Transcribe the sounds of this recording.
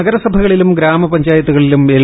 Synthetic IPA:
ɐɡɐɾɐsɐbʱɐɣɐɭilumɡɾaːmɐpɐɲd͡ʑaːjɐt̪ːuɣɐɭilumeːɭ

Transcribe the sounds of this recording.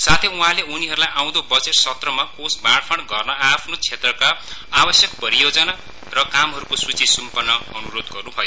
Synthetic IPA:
sat̪ʰeũɦãleuniɦʌɾulajaw̃d̪obʌd͡zeʈsʌt̪rʌmakosbaɽpʰʌɽɡʌrnʌapʰnot͡sʰet̪rʌkaːbʌsjʌk̚pʌɾijod͡zʌna | rʌkamɦʌɾukosut͡sisumpʌnːʌʌnuɾod̪ɡʌrnũbʱʌjo

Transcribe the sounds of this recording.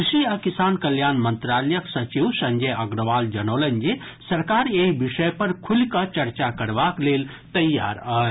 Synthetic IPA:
kʃiɐkisaːnkəljaːnmənt̪ɾaləjəksɐt͡ʃiwsɐ̃ɲd͡ʒəjɐɡɾəʋaːld͡ʒənoːlənd͡ʒesɐɾkaːɾeibiʃəjpəɾkʰulkət͡ʃɐɾt͡ʃakəɾbakleːl | t̪ɐjːa̰ːɾəː

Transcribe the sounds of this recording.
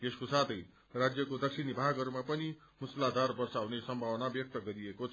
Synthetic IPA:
eskosat̪ʰʌj | rad͡zjʌkod̪ʌksʰinibʱaɡɦʌɾumapʌni | muslad̪ʱarbʌrsawnesʌmbʱawʌnabjʌk̚t̪ʌɡʌɾiekot͡sʰ

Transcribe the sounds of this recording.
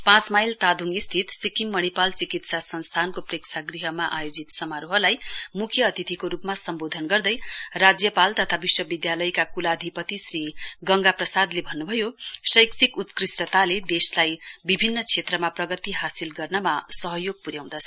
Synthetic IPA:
pãt͡smajlt̪ad̪ʱuŋɡist̪ʰit̪sikimːʌɽ̃ipalt͡sikit̪sasʌnst̪ʰankopreksʰaɡriɦʌmaʔajod͡zit̪sʌmaɾuɦʌlajmukʰjʌːt̪it̪ʰikoɾupmasʌmbod̪ʱʌnɡʌrd̪ʌjrad͡zjʌpalt̪ʌt̪ʰabiswʌbid̪jalʌjkakulad̪ʱipʌt̪isriɡʌŋɡaprʌsad̪lebʱʌnːubʱʌjosʌjksikut̪krisʈʌt̪aled̪eslajbibʱinːʌt͡sʰet̪rʌmaprʌɡʌt̪iɦasilɡʌrnʌmasʌɦʌjoɡ̚puɾjaw̃d̪ʌt͡sʰʌ̥

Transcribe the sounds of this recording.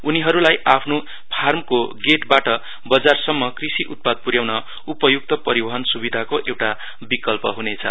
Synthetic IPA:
uniɦʌɾulajʔapʰno | pʰarmkoɡeʈbaʈʌ | bʌd͡zarsʌmːʌkrisiʔut̪̚pad̪̚puɾjawnʌ | upʌjuk̚t̪ʌpʌɾibʌɦʌnsubid̪ʱakoʔewʈa | bikʌlpʌɦunet͡sʰʌ̰

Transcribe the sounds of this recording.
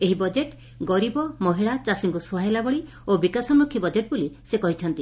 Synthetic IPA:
eɦibɔd͡ʒeʈ | ɡɔɾibɔmɔɦiɭat͡ʃasiŋkusɔɦajlabɔɭi | obikasɔmɾukʰːibɔd͡ʒeʈ̚bulisekɔɦit͡ʃʰɔnt̪i

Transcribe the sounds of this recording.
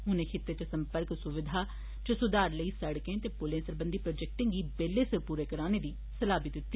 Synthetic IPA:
ɦʊnẽːkʰɪt̪ːeːt̪esəmpəɾksʊʋɪd̪ʱaː | t͡ʃəsʊd̪aːɾləiːsəɽkẽːt̪eːpʊlẽːsəɾbənd̪iːpɾoːd͡ʒɛk̚ʈɪ̃ŋɡiːbeːleːsəɾpuːɾeːkəɾaːneːd̪iː | səlaːbid̪ɪt̪ːiː

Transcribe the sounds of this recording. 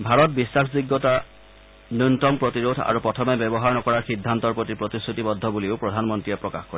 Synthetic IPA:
bʱaɹɔt̚bisːakʰziɡːɔta | nuntɔmpɹotiɹodʱa̰ɹupɹɔtʰɔmɛbɛbɔɦaɹnɔkɔɹaɹxidʱːantɔɹpɹotipɹotisɹutibɔdʱːɔbuliʊpɹɔdʱanmɔntɹijɛpɹɔkaxkɔɹɛ

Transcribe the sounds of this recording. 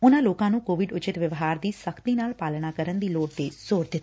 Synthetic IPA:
ʊnãːloːkãːnũːkoːʋɪɖʊt͡ʃɪt̪ʋjəʋɦaːɾd̪iːsəkʰt̪iːnaːlpaːlnaːkəɾənd̪iːloːʈt̪eːz̥oːɾd̪ɪt̪ː

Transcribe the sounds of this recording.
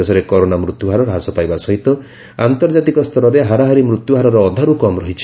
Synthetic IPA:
esɔɾekɔɾonamɾut̪juɦaɾɔɾɦasɔpajbasɔɦit̪ɔ | ant̪ɔɾd͡ʒat̪ikɔst̪ʰɔɾɔɾeɦaɾaɦaɾimɾut̪juɦaɾɔɾɔːd̪ʱaɾukɔmɾɔɦit͡ʃʰi̥

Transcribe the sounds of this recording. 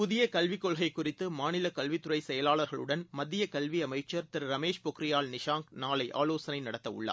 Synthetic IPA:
pʊðɪjɐkɐlʋɪkːɔɭɣɐɪkːʊrɪt̪ːɯmaːnɪlɐkɐlʋɪt̪ːʊrɐɪsɛjɐlaːɭɐɾɣɐɭɯ̰ɽɐnmɐðːɪjɐkɐlʋiɐmɐɪt͡ʃːɐɾt̪ɪɾɯɾɐmeːʂpɔkɾɪjaːlnɪʂaːŋknaːlɐɪʔa̰ːloːsɐnɐɪnɐɽɐt̪ːɐʊ̰ɭːɐ̰ː

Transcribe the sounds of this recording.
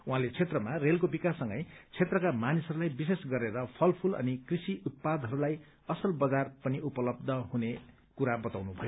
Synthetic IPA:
uɦãlet͡sʰet̪rʌmarelkobikasːʌ̃ŋɡʌjt͡sʰet̪rʌkamanisɦʌɾulajbisesɡʌɾeɾʌpʰʌlpʰulʌ̰nikrisiʔut̪̚pad̪ʱɦʌɾulaj | ʌsʌlbʌd͡zarpʌniupʌlʌb̚d̪ʱʌɦune | kuɾabʌt̪awnubʱʌjo

